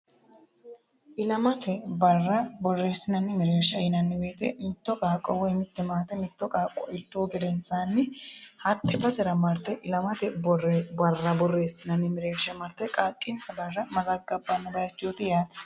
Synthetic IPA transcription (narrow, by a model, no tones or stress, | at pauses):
ʔɪlɐmɐt̪ɛbɐrːɐbɔrːe̞ːsːɪnɐnːɪmɪɾeːɾʃɐjɪnɐnːɪbeːt̪ɛ̰mɪt̪ːɔkʼaːkʼːɔwɔjmɪt̪ːɛmaːt̪ɛmɪt̪ːɔkʼaːkʼːɔʔɪlt̪ːoːɡɛd̪ɛnsaːnːɪhɐt̪ʰːɛb̪ɐsɛɾɐmɐɾt̪ɛʔɪlɐmɐt̪ɛbɔrbɐrːɐbɔrːe̞ːsːɪnɐnːɪmɪɾe̞ːɾʃɐmɐɾt̪ɛkʼaːkʼːɪnsɐbɐrːɐmɐzɐɡːɐbːɐnːɪbɐjɐt͡ʃːoːt̪ɪjaːt̪ɛ̥